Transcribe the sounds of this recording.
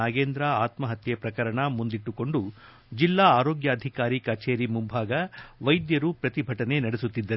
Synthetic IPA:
aːɡeːnd̪ɾaaːt̪mɐɦɐt̪jɐpɾɐkɐɾɐɳɐmund̪iʈːuko̞ɳɖu | d͡ʒilːaːaːɾoːɡjɐːd̪ʱikaːɾikɐt͡ʃeːɾimumbʱaːɡɐʋɐjd̪jɐɾupɾɐt̪ibʱɐʈɐne̞nɐɽesut̪ːid̪ːɐɾ

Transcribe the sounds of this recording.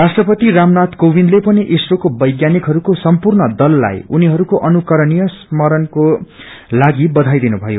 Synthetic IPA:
rasʈrʌpʌt̪iramnat̪kobʱinlepʌniʔisrokobʌjɡjanikɦʌɾukosʌmpurnʌd̪ʌlːa̰juniɦʌɾukoʔʌnukʌɾʌnijʌsmʌɾʌnkolaɡibʌd̪ʱajd̪inubʱʌjo

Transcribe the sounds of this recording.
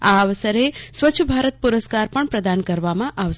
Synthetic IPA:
aːʋəsəɾesʋəːt͡ʃʰəbʱaɾət̪̚puɾəskaɾpəɳpɾəd̪ankəɾʋamãʔaʋʃ

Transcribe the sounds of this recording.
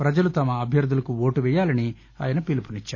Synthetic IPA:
pɾɐd͡ʒɐlut̪ɐmɐːbʱjɐɾd̪ʱulɐkuoːʈuʋɛjaːlɐni | a̰ːjɐnɐpilipunit͡ʃːaː

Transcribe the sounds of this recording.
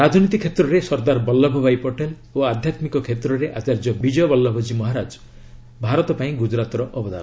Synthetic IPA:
ɾad͡ʒɔnit̪ikʰet̪ɾɔɾesɔɾd̪aɾbɔlːɔbʱɔbajpɔʈel | oad̪ʱjat̪mikɔkʰet̪ɾɔɾeʔat͡ʃaɾd͡ʒɔbid͡ʒɔjɔbɔlːɔbʱɔd͡ʒimɔɦaɾad͡ʒɔ̥ | bʱaɾɔt̪ɔpaĩɡud͡ʒɾat̪ɔɾɔʔɔbɔd̪ʱa̰ɾɔ

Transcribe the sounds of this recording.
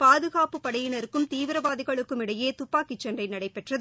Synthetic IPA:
paːðɯɣaːpɯpːɐɽɐjɪnɐɾɯkːɯmt̪iːʋɪɾɐʋaːðɪɣɐɭɯkːɯmɪɽɐjeːt̪ʊpːaːkɪt͡ʃːɐndrɐɪnɐɽɐɪpːɛʈrɐðɯ

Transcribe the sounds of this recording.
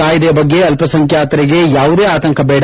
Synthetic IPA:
aːjid̪eːbɐɡːe̞ɐlpɐsɐŋkʰjaːt̪ɐɾiɡe̞jaːʋud̪eːaːt̪ɐŋkʰɐbɛːɽ

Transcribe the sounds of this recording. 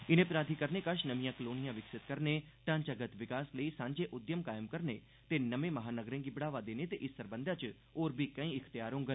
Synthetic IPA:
ɪnẽpɾaːd̪ʱikəɾnekəʃnəʋijãkəloːnijãʋɪksɪt̪kəɾneʈãːɲt͡ʃaɡət̪ʋɪkaːsləisãːɲd͡ʒeʔʊd̪jəmkaːjəmkəɾne | t̪enɐmẽmɐɦaːnəɡɾẽŋɡɪbɽaːʋad̪eːnet̪eʔɪsəɾbə̃nd̪ʱat͡ʃ | oːɾbʱikɐ̃ĩɪkʰt̪ijaːɾõŋɡən

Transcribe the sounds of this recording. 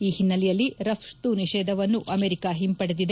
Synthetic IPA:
iːhinːɐlɛjɐlːiɾɐpʂt̪uniʃɛːd̪ʱɐʋɐnːuʔɐmeːɾikaːɦimpɐɽed̪id̪e

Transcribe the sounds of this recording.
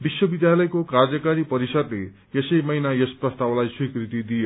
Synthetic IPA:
biswʌbid̪jalʌjkokard͡zʌkaɾipʌɾisʌd̪le | jesʌjmʌjnajesprʌst̪awlajswikrit̪id̪ijo

